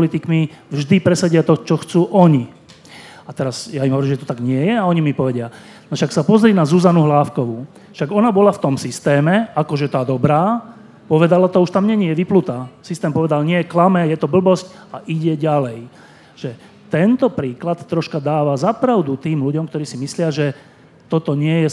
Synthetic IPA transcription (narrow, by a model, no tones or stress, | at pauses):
lit̪ikmivʒd̪ipɾɛsaɟɪat̪ɔt͡ʃɔxt͡suːʔɔɲi | at̪ɛɾazjaimɦɔʋɔɾiːmʒɛt̪ɔt̪aɡɲɪɛjɛaɔɲimipɔʋɛɟɪa | nɔʃaksapɔzɾiːnazuzanuɦlaːfkɔʋu | fʃaɡɔnabɔlaft̪ɔmsist̪ɛːmɛakɔʒɛt̪aːd̪ɔbɾaː | pɔʋɛd̪alat̪ɔuʃt̪amɲɛɲjɛʋiplut̪aːsist̪ɛːmpɔʋɛd̪alɲɪɛklamɛjɛt̪ɔbl̩bɔsc | aʔiɟɛɟalɛj | ʒ̥ɛ | t̪ɛnt̪ɔpɾiːklat̪t̪ːɾɔʃkad̪aːʋazapɾaʊd̪ut̪iːmluɟɔmkt̪ɔɾiːsimislɪaʒɛ | t̪ɔt̪ɔɲɪɛjɛ